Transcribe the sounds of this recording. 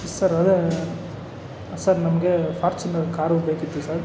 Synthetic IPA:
sɐɾɐd̪e | sɐɾnɐmɐɡepʰaːɾt͡ʃinɐkaːɾubeːkit̪ːusɐɾ

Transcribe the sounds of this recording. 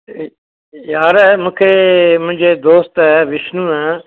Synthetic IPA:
jaːɾɛmʊ̃ːkʰemʊ̃ɦɪ̃ɲd͡ʑed̪oːst̪ɛʋɪʃnũɛ̃ː

